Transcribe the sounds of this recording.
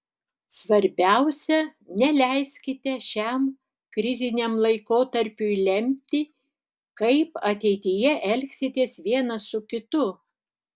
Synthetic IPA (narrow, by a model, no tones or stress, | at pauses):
sʋɐɾʲbʲæʊsʲɛnʲɛlʲæɪsʲkʲɪt̪ʲɛʃʲæm | kɾʲɪzʲɪnʲɛmlˠɐɪkoːt̪ɐɾʲpʲʊɪlʲɛmʲt̪ʲɪ | kɐɪpɐt̪ʲɛɪt̪ʲɪjɛʔɛlʲksʲɪt̪ʲiɛsʋʲiɛnɐsʊkʲɪt̪ʊ